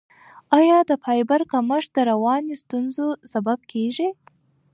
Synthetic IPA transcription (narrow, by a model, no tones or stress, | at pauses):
ɑjɑd̪əpʰɑjbaɾkaməʂd̪əɾawɑnist̪unzosabab̚kʰeʒi